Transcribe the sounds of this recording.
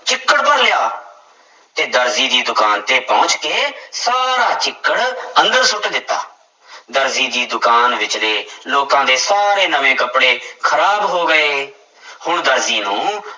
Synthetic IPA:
t͡ʃɪkːəɽpəɾlɪjaː | t̪eːd̪əɾziːd̪iːd̪ʊkaːnt̪eːpɔ̃ːʊt͡ʃkeːsaːɾaːt͡ʃɪkːəɽə̃nd̪əɾsʊʈd̪ɪt̪ːa̰ː | d̪əɾziːd̪iːd̪ʊkaːnʋɪt͡ʃleːloːkãːd̪eːsaːɾeːnəʋẽːkəpɽeːkʰəɾaːbɦoːɡəeː | hʊɳd̪əɾziːnũː

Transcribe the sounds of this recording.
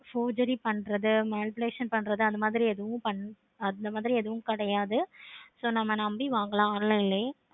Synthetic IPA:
foːd͡ʒɐɾipɐɳːɾɐðɯmaːnɪpɪleːʂɐnpɐɳːɾɐðɯɐðɐmaːðɪɾiɛðɯʋʊ̃pɐɳː | ɐd̪ɐmaːðɪɾiɛðɯʋʊ̃kɐɽɐjaːðɯsoːnɐmːɐnɐmbiʋaːŋɡɐlãːaːnɪlɐɪlːɐ

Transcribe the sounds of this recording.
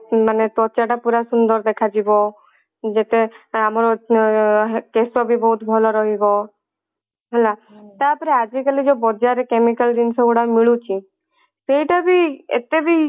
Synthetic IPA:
manet̪ɔt͡ʃaʈapuɾasund̪ɔɾd̪ekʰad͡ʒibɔ | d͡ʒet̪eamɾɔ | kesɔbʱibɔɦut̪bʱɔlɔɾɔɦibɔ | ɦɛla | t̪apɔɾead͡ʒikalid͡ʒobɔd͡ʒaɾekemikalɖ̪insɔboɽamiɭut͡ʃʰi | sejʈabiḛt̪ebʱi

